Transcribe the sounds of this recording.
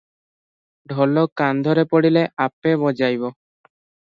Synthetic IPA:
ɖʱɔlokand̪ʱɔɾepoɽileʔapeβɔd͡ʑajβo

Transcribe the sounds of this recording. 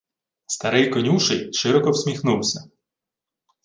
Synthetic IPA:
st̪ɐɾɪjkɔnʲuʃɪjʃɪɾɔkɔwsʲmʲixnuwsʲɐ

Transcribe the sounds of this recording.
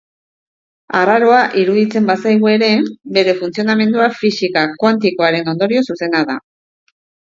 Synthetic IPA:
araɾo̞aʔiɾuðit͡se̞mbasajɣ̞ue̞ɾe̞be̞ɾe̞funt͡sio̞name̞nd̪uafisikakwant̪iko̞aɾe̞no̞nd̪o̞ɾio̞suse̞naða̰

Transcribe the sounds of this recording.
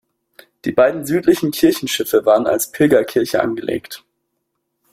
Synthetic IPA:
d̥iːbaɪdn̩zyːtlɪçn̩kʰɪɐçn̩ʃɪfəvaːʁəna̰lspʰɪlɡɐkʰɪɐçəʔa̰nɡəlʔḛːkt

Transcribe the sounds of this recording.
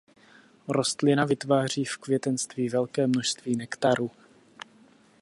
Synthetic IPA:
ɾo̞st̪lɪnavɪt̪vaːr̝̥iːfkvjɛt̪ɛnst̪viːvɛlkɛːmnoʃst̪viːnɛkt̪aɾuː

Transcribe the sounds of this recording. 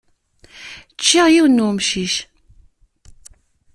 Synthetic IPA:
t͡ʃːiʁjiwnːumʃiʃ

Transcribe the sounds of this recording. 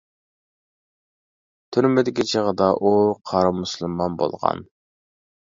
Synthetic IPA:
t̪ʰyɾmɪd̪ɪkʲit͡ʃʰəʁəd̪ɑʔuqʰɑɾɑmːuslˠɨmːɑnbo̰lˠʁɑ̰n

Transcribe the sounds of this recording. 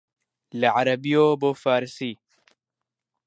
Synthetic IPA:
lɐʕaɾɐbijoːbofaːɾsi

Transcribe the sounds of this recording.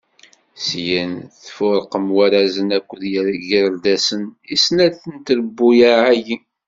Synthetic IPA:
sjənθfʊɾˤqəmwæɾazənækʷːəðjəɾʝəɾd̪æsənisnæɾθənt̪ɾəbːujaʕæji

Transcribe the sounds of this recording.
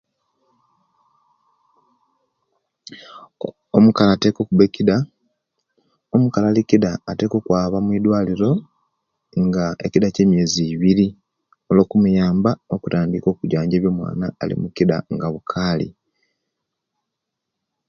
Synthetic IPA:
omukalaːte̞ːko̞kubekida | omukalalikidaːte̞ːko̞kwaːβamwiːdwaːliɾo̞ | ŋɡaecidace̞ːmje̞ːziβiɾi | olo̞ːkumujaːmbao̞kutaːndiko̞ːkuɟaːɲɟe̞ːβjo̞mwa̰ːnaːlḭmukida̰ŋɡaβukʰaːlḭ

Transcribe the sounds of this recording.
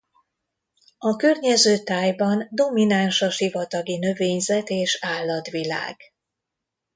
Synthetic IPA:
ɒkørɲɛzøːt̪aːjbɒnd̪o̞minanʃɒʃivɒt̪ɒɡinø̞veːɲzɛt̪eːʃaːlːɒt̪ʋila̰ːɡ̥

